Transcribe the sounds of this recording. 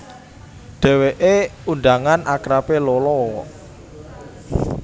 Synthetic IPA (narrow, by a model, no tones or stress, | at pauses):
ɖ̪̥ɛ̤weʔeunɖ̪aŋanʔakɾapelolɔ